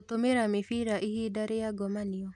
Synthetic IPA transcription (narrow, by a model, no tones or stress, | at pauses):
otomeɾamefiɾaʔihidaɾejaɡɔmaniɔ